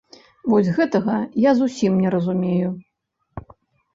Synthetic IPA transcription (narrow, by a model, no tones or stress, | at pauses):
vɔzʲɣɛt̪ɐɣɐjazusʲimnʲɛɾɐzumʲeju